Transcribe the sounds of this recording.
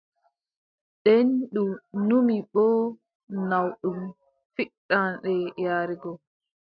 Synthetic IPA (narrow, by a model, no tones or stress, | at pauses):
ɗɛnɗunumiɓɔ | nawɗum | fiɗːanɗɛjaːɾiɡɔ